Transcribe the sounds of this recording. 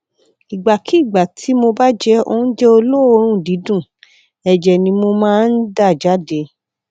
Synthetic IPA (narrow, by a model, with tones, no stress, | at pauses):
i˨ɡ͡ba˨ki˦˨ɡ͡ba˨tʰi˨˦mo˧ba˦d͡ʒɛ˧o̰˧˦d͡ʒɛ˦o˧lo˦o˧ɾ̃ũ˦˨di˨˦dũ˦˨ | ɛ˨d͡ʒɛ˨nĩ˧mo˧mãː˦˨n̩˦da˦˨d͡ʒa˨˦de˧˦